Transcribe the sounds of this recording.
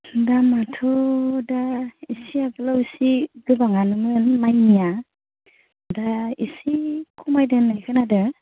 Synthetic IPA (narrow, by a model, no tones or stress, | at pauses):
damatʰɔdaisiabɯlawsiɡɯbaŋanɯmɯnmajnija | daḭsikʰumajdɯnːajkʰɯnadɯ